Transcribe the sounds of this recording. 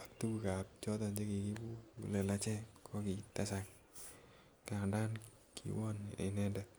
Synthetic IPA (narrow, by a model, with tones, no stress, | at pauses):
a˨tu˦ku˨ka˨p̚t͡ʃɔ˦ta˨ɲd͡ʒe˦ki˨ki˦bu˦u˨lɛ˨la˦t͡ʃɛ˦kʰɔ˦ki˨ta˦sa˨k | ka˨ŋda˦n | kʰḭ˨wɔ˦nḛ˨nɛ˦ndɛ˨